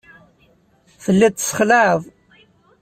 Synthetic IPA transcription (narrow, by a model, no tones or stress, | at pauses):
θəlːæt̪ːə̥sˤːə̥χləʕəðˤ